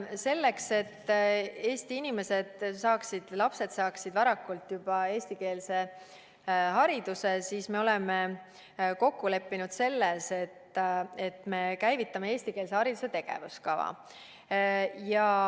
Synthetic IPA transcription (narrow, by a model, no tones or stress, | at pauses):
se̞lːe̞kse̞t̪ːeːst̪iinime̞se̞d̪̥sɑːksid̪̥lɑpse̞d̪sɑːksid̪̥vɑɾɑkːult̪jub̥ɑe̞ːst̪ike̞ːlse̞ | ɦɑɾid̪̥use̞siːsme̞o̞leme | ko̞kːule̞pːinud̪̥se̞lːese̞t̪e̞t̪ːme̞kæjvit̪ːˑɑme̞eːsʲt̪ikeːlse̞hɑɾid̪use̞t̪e̞ɡ̥e̞̰vuskɑvɑ̰ | jɑ